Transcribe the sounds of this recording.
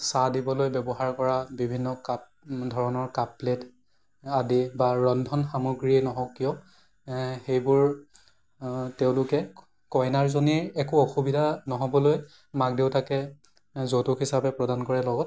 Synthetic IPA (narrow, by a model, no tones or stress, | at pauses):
sadibɔlojbɛbɔɦaɹkɔɹabibʱinːɔka | dʱɔɹɔnɔɹkaplet | adibaɹɔndʱɔnxamoɡɹienɔɦɔkːijɔ | xejbʊɹ | tɛʊ̃lʊkɛ | kɔjnaɹzoniɛkuɔxubidʱanɔɦɔbɔloj | mak̚dewtakɛ | zotukisapɛpɹɔdankɔɹɛlɔɡɔt